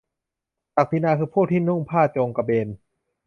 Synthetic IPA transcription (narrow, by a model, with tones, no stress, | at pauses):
t̪a˨˩k̚t̪i˧˥naː˧kʰɯː˧pʰuː˥˩t̪ʰiː˥˩nu˥˩ŋpʰaː˥˩t͡ɕoː˧ŋka˧beː˧n